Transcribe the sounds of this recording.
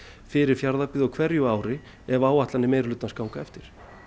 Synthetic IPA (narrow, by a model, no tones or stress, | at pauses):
fɪɾɪɾ̥fjaɾðapɪːðʏɔwkʰvɛɾjʏaːwɾɪ | ɛvaːwaht̪lanːɪmeːjɾlʏt̪naskaːwŋkaɛft̪ɪɾ̥